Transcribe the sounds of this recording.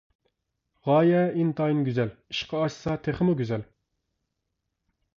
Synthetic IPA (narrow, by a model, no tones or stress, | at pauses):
ʁɑːjɛint̪ɑjinɡʲyzɛliʃqʰɑɑʃsɑt̪ʰeχəmuɡʲyzɛl